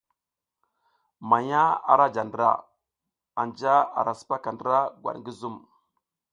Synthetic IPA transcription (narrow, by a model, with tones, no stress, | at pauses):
ma˨ɲa˦a̰˨ɾa˦d͡ʒa˨ndɾa̰˨ | a˨nd͡ʒa˦a̰˨ɾa˨su̥˦pa˦ka˨ndə˦ɾa˦ɡwa̰˨ŋɡi˦zu˦m